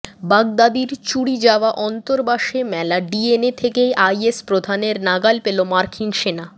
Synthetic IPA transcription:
baɡ̚d̪ad̪iɾt͡ɕuɽid͡ʑaoaʔɔnt̪oɾbaʃemɛlaɖienet̪ʰekejʔajespɾod̪ʱaneɾnaɡalpelomaɾkʰinʃena

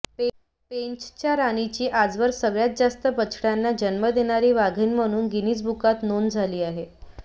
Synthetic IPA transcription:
peɲt͡ɕt͡ɕjaɾaɽ̃it͡ɕiːʔad͡zʋəɾsəɡɭjat̪̚d͡zast̪əpət͡ɕʰɽjanːad͡ʑənməd̪eɽ̃aɾiːʋaɡʱiːnm̤əɽ̃uːnɡiniːt͡sbukat̪nond͡zʱaliːaɦe

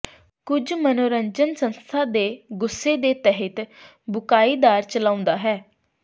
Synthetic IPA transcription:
kʊd͡ʒmənoːɾəɲd͡ʒənsənst̪ʰaːd̪eːɡʊsːeːd̪eːt̪ɛɦət̪ | bʊkaːiːd̪aːɾt͡ʃəlãːʊ̃nd̪aːɦɛː

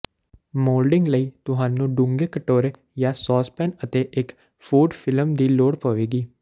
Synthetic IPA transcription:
moːlɖɪ̃ŋɡləiːt̪ʊɦãːnũːɖʊ̃ŋɡeːkəʈoːɾeː | jaːsɔːspɛːnət̪eːʔɪk | fʰuːɖpʰɪləmd̪iːloːɽpəʋeːɡiː

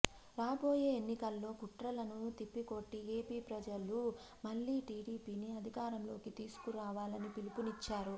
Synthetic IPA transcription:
ɾaːbo̞ːje̞ːenːikɐlːo̞ːkuʈɾɐlɐnut̪ipːiko̞ʈːieːpiːpɾɐd͡ʒɐlu | mɐlːiːʈiːɽiːpiːniɐd̪ʱikaːɾɐmlo̞ːkit̪iːsu̥kuɾaːʋaːlɐnipilipunit͡ʃːaːɾu

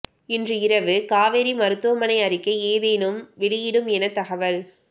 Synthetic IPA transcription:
ɪndrɯɪɾɐʋɯkaːʋeːɾimɐɾɯt̪ːɯʋɐmɐnɐɪɐɾɪkːɐɪeːðeːnɯmʋɪɽɪjɪɽɯmɛnɐt̪ːɐɣɐʋɐl

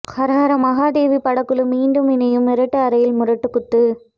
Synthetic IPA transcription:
kɐɾaːɐɾɐmɐɣaːd̪eːʋipːɐɽɐkːɯɭɯmːiːɳɖɯmɪnɐjɯmɪɾɐʈːɯɐɾɐjɪlmʊɾɐʈːɯkːʊt̪ːɯ

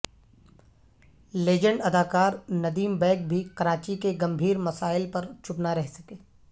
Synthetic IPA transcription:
leːd͡ʒə̃ɳɖɐd̪aːkaːɾnɐd̪iːmbɛːk̚bʱikɐɾaːt͡ʃikeɡɐ̃mbʱiːɾmɐsaːɪlpɐɾt͡ʃʰʊpnaɾɛɦsɐ̥keː

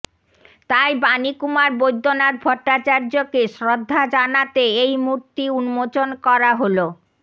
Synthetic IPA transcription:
t̪ajbanikumaɾbojd̪ʱːonaɾbʱɔʈːat͡ɕaɾd͡ʑokeʃɾod̪ʱːad͡ʑanat̪eejmuɾt̪iunmot͡ɕonkɔɾaɦolo

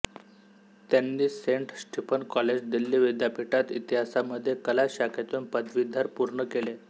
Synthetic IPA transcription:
t̪janːiːseɳʈɕʈipənkɔled͡ʑd̪ilːiːʋid̪japiʈat̪it̪iɦasaməd̪ʱːjekəlaɕakʰet̪unpəd̪ʋid̪ʱːaɾpuɾɳəkele

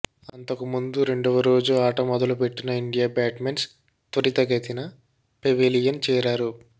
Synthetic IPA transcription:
ɐnt̪ɐkumund̪uɾe̞ɳɖɔʋɐɾo̞ːd͡ʒuaːʈɐmɔd̪ɐlupe̞ʈːinɐiɳɖijaːbaːʈmens | t̪ɐɾit̪ɐɡɐt̪inɐ | peʋelijɐnt͡ʃɛːɾaːɾu

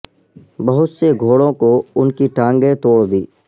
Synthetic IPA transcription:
bɐɦʊt̪seɡʱoːɽõkoʊnkiʈãːŋɡẽt̪oːɽd̪iː

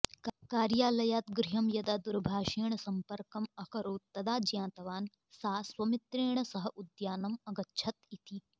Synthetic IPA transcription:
kkaːɾjaːlɐjaːt̪ɡɾiɦɐmjɐd̪aːd̪uɾbʱaːʃiːɳ̃ɐsɐmpɐɾkɐmɐkɐɾoːt̪t̪ːɐd̪aːd͡ʒjãːt̪ɐʋaːn | saːswɐmit̪ɾeːɳ̃ɐsɐɦɐʔud̪jaːnɐmɐɡɐtːʃʰɐt̪it̪i

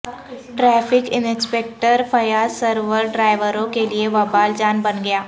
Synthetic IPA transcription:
ʈɾɛːfʰɪkɪnɪ̃speːk̚ʈəɾfʰɐjaːsɐɾʋəɾɖɾaːɪʋəɾõkelieʋɐbaːld͡ʒaːnbɐnɡɐjaː

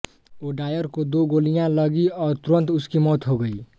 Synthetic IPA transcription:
oːɖaːjəɾkod̪oɡoːlijãləɡiɔːɾt̪ʊɾə̃nt̪ʊskimɔːt̪ɦoɡəi

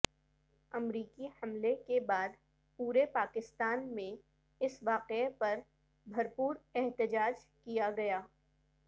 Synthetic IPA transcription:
ɐmɾiːkihɐmlekebaːd̪ | puːɾepaːkɪst̪aːnmẽ | ɪsʋaːqepɐɾ | bʱɐɾpuːɾɛɦt̪ɪd͡ʒaːd͡ʒkijaɡɐjaː

